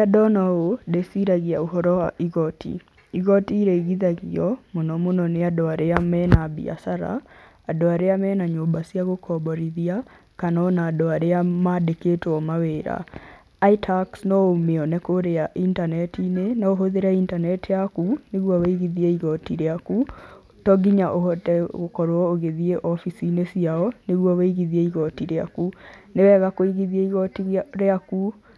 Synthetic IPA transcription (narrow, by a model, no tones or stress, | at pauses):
adɔnaodesiɾaɣiaoɦɔɾɔwa̰ʔiɣɔtʰḭ | iɣɔtiːɾeiɣiðaɣiɔmonɔmonɔneadoaɾeamɛnabḭa̰saɾa̰ː | doaɾeamɛːnaɲobasiaɣokʰɔbɔɾiðia | kanɔnaːdoaɾeamadeketwɔmaweːɾa̰ | aitʰaksnɔomeɔnɛkoɾeaʔintanɛtinenaoɦoðeɾɛintanɛtejakuneɣwɔweiɣiðiɛiɣɔtiɾeaku | tɔɡiɲaʔohɔtɛɣokɔɾwɔoɣeðieʔɔfisinesiaɔneɣwɔweiɣiðiɛiɣɔtiɾea̰kunewɛɣakoiɣiðiɛiɣɔtiɾeaku